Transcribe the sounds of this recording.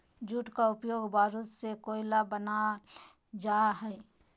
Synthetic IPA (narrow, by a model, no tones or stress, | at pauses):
d͡ʒuːʈkaʊpjoːɡbʱaːɾut̪sekoːɪlabəna | d͡ʒaɦɛ